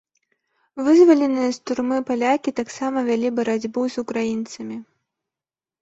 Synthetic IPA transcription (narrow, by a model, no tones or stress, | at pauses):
vɨzvɐlʲɛnɨjɐst̪urmɨpalʲakʲit̪aksamɐvʲalʲibɐɾad͡zʲbɨwzukɾajint̪sɐmʲi